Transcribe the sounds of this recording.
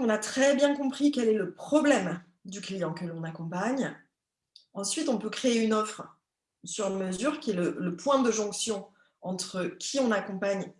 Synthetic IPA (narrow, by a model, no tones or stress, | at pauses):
ɔ̃nat̪χɛbjɛ̃kɔ̃pχikʲɛlɛləpχɔblɛm | d̪yklijɑ̃kəlɔ̃nakɔ̃paɲ | ɑ̃sɥit̪ɔ̃pøkχeːynɔfχ | syʁməzyʁkʲiɛlələpwɛ̃d̪əʒɔ̃ksjɔ̃ | ɑ̃t̪χəkʲʰiɔ̃nakɔ̃paɲ